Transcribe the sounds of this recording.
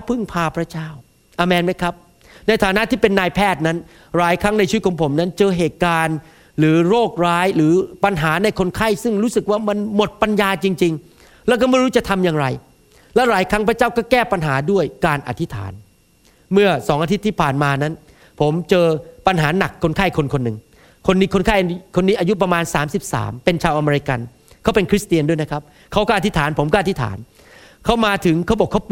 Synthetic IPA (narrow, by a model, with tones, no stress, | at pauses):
pʰɯ˥˩ŋpʰaː˧pʰɾa˦˥t͡ɕaː˥˩w | ʔa˧mɛː˧nma˦˥jkʰɾa˦˥p̚ | na˧jt̪ʰaː˨˦na˦˥t̪ʰiː˥˩pe˧nːaː˧jpʰɛː˥˩t̪̚na˦˥n | ɾaː˨˩˦jkʰɾa˦˥ŋna˧jt͡ɕʰi˧˦t̪̚kʰɔː˩˦pʰo˩˦mna˦˥nt͡ɕɤː˧ɦeː˨˩t̪̚kaː˧n | ɾɯː˩˦ɾoː˥˩k̚ɾaː˦˥jɾɯː˩˦pa˧nɦaː˩˦na˧jkʰo˧nkʰa˥˩jsɯ˥˩ŋɾuː˦˥sɯ˨˩k̚waː˥˩ma˧nmo˨˩t̪̚pa˧njaː˧t͡ɕi˧ŋt͡ɕi˧ŋ | lɛ˦˥wkɔː˥˩ma˥˩jɾuː˦˥t͡ɕa˨˩t̪ʰa˧mjaː˨˧ŋɾa˧j | lɛ˦˥wɾaː˩˦jkʰɾa˦˥ŋpʰɾa˦˥t͡ɕaː˥˩wkɔː˥˩kɛː˥˩pa˧nɦaː˩˦du˥˩əjkaː˧nʔa̰˨t̪ʰi˦˥t̪ʰa̰ː˩˦n | mɯ˥˩ɐsɔː˩˦ŋʔa˧t̪ʰi˦t̪ʰːiː˥˩pʰaː˨˩nmaː˧na˦˥n | pʰo˩˦mt͡ɕɤː˧pa˧nɦaː˩˦na˨˩kʰːo˧nkʰaː˥˩jkʰo˧nkʰo˧nːɯ˨˩ŋ | kʰo˧nːi˦˥kʰo˧nkʰaː˥˩jkʰo˧nːiː˦˥ʔaː˧ju˦˥p̬ɾa˧maː˧nsaː˩˦msi˨˩p̚sa̰ː˩˦mpe˧nt͡ɕʰaː˧wʔa˧meː˧ɾi˧˥ka˧n | kʰa˦˥wpe˧nkʰɾi˦˥st̪i˧əndu˥˩jna˦˥kʰa˦˥p̚ | kʰa˦˥wkɔː˥˨a˨˩t̪ʰi˦˥t̪ʰaː˩˦npʰo˩˦mkɔː˥˨a˨˩i˦˥t̪ʰa̰ː˩˦n | kʰa˦˥wmaː˧t̪ʰɯ˩˦ŋkʰa˦˥wbɔː˨˩kʰːa˦˥w